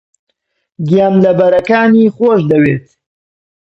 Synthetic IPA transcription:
ɡijaːmlɐbɐɾɐkaːniːχoːʃd̪ɐweːt̪

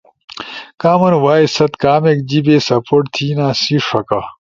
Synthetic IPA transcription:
kaːmɐnwaːisɐt̪kaːmek̚d͡ʑibeːsɐpoːʈt̪ʰiːnaːsiʂɐka

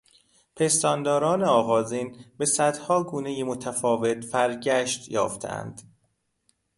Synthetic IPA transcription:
pʰe̞st̪ɒːnd̪ɒːɾɒːneɒːɣɒːziːnbe̞sæd̪hɒːɡuːnejemot̪ʰæfɒːve̞t̪fæɾɟæʃt̪jɒ̰ːft̪ʰḛʔæ̰nd̪̥

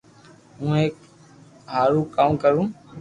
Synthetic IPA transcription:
ũːɦeːk | ɦaːɾuːkaːmkəɾũː

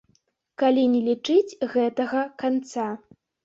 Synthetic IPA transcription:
kalʲinʲɛlʲit͡ʂɨt͡sʲɣɛt̪ɐɣɐkant̪sa

